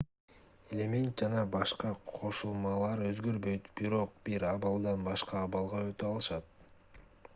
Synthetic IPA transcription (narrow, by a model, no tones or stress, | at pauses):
e̞lʲemʲe̞nt̪̚d͡ʒɑnɑbɑʃqɑqʰo̞ʃulˠmɑlˠɑɾø̞zɡø̞ɾbø̞jt̪b̥iɾo̞q̚b̥iɾɑβɑlˠd̪ɑnbɑʃqɑːβɑlˠʁɑøt̪øɑlˠɯʃɑt̪̚